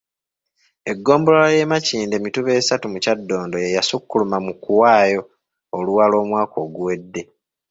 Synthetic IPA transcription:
e̞ɡːo̞ːmbollaje̞maciːnde̞mituβe̞ːsatumucadːo̞ːndojejasukːulumamukuwaːjo̞ː | luwalo̞ːmwaːko̞ːɡuwe̞dːe̞

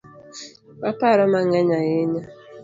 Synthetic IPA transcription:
bapaɾɔmaŋɛɲajeɲa

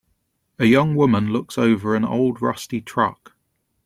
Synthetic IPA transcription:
əjʌ̃ŋwʊmə̃nlʊksəʊvəɹə̃nə̰ʊlˠdɹʌ̰stitʰɹ̥ʌ̰k

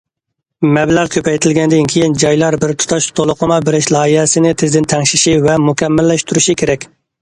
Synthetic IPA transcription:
mɛblæɾkʲʰøpʰɛjt̪ʰɪlɡʲɛnd̪ɪnkʲʰejind͡ʒɑjlˠɑɾbɪɾt̪ʰu̥t̪ʰɑʃt̪ʰolˠʊqʰəmɑbeɾɪʃlˠɑːihɛsɪnɪt̪ʰɪzd̪ɪnt̪ʰɛŋʃiʃivɛmukʲʰɛmːɪlːɛʃt̪uɾuʃikʲʰeɾɛkʲ

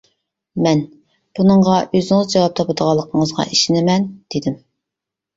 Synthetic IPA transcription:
mɛn | b̥unəɴʁɑʔøzɪŋɪzd͡ʒɑwɑp̚t̪ʰɑpɨd̪əʁɑlˠːəqʰəɴəzʁɑ̰ʔiʃɪnɪmɛnd̪̥ed̪ɪm

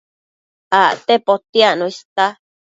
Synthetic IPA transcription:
aʔt̪epot̪iaʔnũist̪a

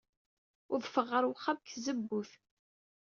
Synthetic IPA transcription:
ʊɾðfəʁːəɾˤwχabkzəbːuθ

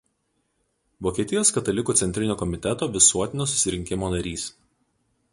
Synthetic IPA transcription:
ʋoːkʲiɛt̪ʲɪjoːskɐt̪ɐlʲɪkuːt̪sʲɛnt̪ʲɾʲɪnʲoːkɔmʲɪt̪ʲɛt̪oːʋʲɪsuɔt̪ʲɪnʲoːsʊ̥sʲɪɾʲɪŋʲkʲɪmoːnɐɾʲiːs

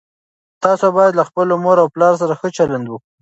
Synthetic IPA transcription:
t̪ɑsobɑjad̪laxpəlomoɾawplɑɾos̬aɾaxət͡ʃaland̪wək

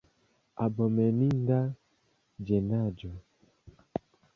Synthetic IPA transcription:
abɔmɛninda | d͡ʒɛnad͡ʒɔ

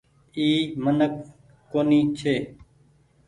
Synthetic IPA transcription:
iːmənək̚ː | oːniːt͡ʃʰeː

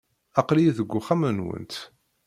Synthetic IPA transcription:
ɑqlijiðəɡʷːʊχæmənwə̰nt̪

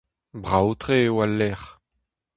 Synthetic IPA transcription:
bʁawt̪χewalːɛʁ

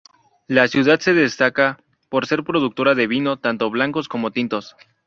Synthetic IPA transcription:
lasjuðad̪se̞ðe̞st̪aka | po̞ɾse̞ɾpɾo̞ðuk̚t̪o̞ɾaðe̞βino̞t̪ant̪o̞βlaŋko̞sko̞mo̞t̪int̪o̞s

